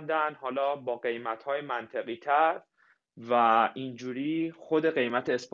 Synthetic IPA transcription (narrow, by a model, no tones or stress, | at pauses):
nd̪ænd̪hɒːlɒːbɒːɢe̞jmæt̪ʰhɒːjemænt̪ʰe̞ɣiːt̪ʰæɾ | væind͡ʒuːɾiːxo̞d̪e̞ɣe̞jmæt̪ʰeːsp